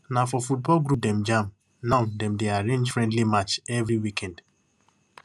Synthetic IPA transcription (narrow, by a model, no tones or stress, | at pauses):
nafɔfut̚bɔlɡɾup̚dɛ̃md͡ʒãm | naʊdɛ̃mdeaɾẽnd͡ʒfɹɛ̃ndlimat͡ʃɛvɾiwikɛ̃nd̥